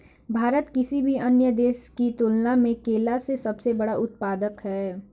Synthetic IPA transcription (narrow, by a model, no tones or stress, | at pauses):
bʱaːɾət̪kɪsibʱiɐnjəd̪eːʃkit̪ʊlnamẽkeːlasesɐbsebɐɽaʔʊt̪̚paːd̪əkɦɛː